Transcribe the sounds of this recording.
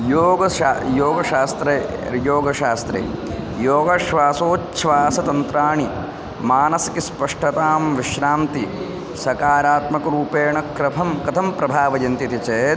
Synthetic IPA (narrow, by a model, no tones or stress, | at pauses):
joːɡɐjoːɡɐʃaːst̪ɾejoːɡɐʃaːst̪ɾḛː | joːɡɐʃʋaːsoːt͡ʃʃʰʋaːsɐt̪ɐnt̪ɾaːɳi | maːnɐsɐkispɐʂʈɐt̪aːmʋiʃɾaːmt̪i | sɐkaːɾaːt̪mɐkɐɾuːpeːɳɐkɾɐpʰɐmkɐt̪ʰɐmpɾɐbʱaːʋɐjɐnt̪it̪it͡ʃeːt̪